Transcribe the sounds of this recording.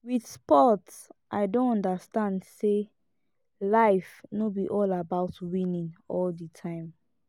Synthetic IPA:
widspɔtsʔaɪdõnɔ̃ndastãndse | laɪfnobiʔɔlabaʊtwĩnĩnɔlditʰãɪ̃m

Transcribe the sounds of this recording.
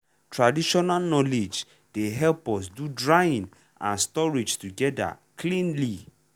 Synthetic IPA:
tɹadiʃɔnalnɔled͡ʒ | d̥eɦɛlpɔs̬dudɹajĩn | ã̰nstɔɹid͡ʒtuɡɛda̰ | kʰlĩnli

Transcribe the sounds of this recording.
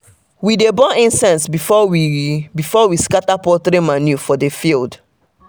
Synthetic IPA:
widebɔʔĩnsɛ̃ntsbifɔwibifɔwiskatapɔtɾemanjufɔdefild

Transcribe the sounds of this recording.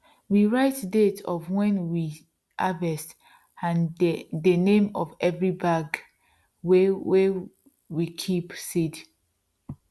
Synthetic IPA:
wiɹaɪtdetʰɔvwɛ̃nwi | ʔavɛst | ãndənẽmɔvɛvɹibaɡ | wɛwɛ | wikʰipsid

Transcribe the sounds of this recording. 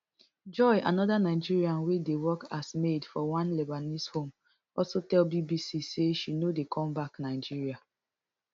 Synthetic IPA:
d͡ʒɔɪʔa̰nɔdanaɪd͡ʒiɹiãnwedewɔkasmedfɔwãnlɛbanishõm | ɔlsotɛlbibisiseʃinodekʰɔ̃mbaknaɪd͡ʒiɹia

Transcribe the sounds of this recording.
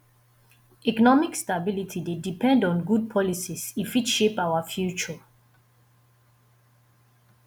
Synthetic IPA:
ɛkɔnɔmikstabilitʰidedipʰɛ̃ndɔ̃nɡud̚pʰɔlisisifitʃepaʊafjut͡ʃɔ

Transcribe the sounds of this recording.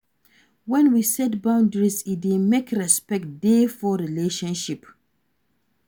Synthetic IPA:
wɛ̃nwisɛt̚bãʊ̃ndəɹizit̚imekʰɾɛspɛk̚t̚defɔɾileʃɔ̃nʃip

